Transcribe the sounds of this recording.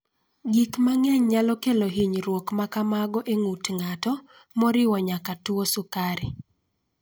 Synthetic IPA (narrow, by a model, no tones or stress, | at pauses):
ɡikmaŋɛɲɲalɔkeloɦiɲɾwokmakamaɡɔʔeŋutŋatɔ | mɔɾɪwɔɲakatwosʊkaɾɪ